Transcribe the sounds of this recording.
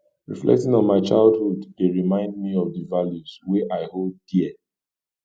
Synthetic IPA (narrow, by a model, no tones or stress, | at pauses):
ɹḭflɛ̰k̚tɪ̃ŋɔ̃nmaɪt͡ʃaɪlˠdhuddeɹimãɪ̃ndmiɔvdəvaljuz̥weʔaɪholddiɛ